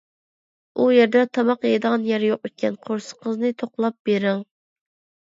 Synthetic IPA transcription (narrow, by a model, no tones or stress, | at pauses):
ujeɾd̪ɛt̪ʰɑmɑqjed̪əʁɑnjɛɾjoqyt̪̚kʲɛnqʰoɾsə̥qʰəznɨt̪ʰoqlˠɑp̚beɾɪŋ